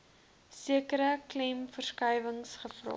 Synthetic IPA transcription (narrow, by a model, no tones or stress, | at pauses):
siəkəɾəklɛmfərskəjvəŋsχəfrɑ̰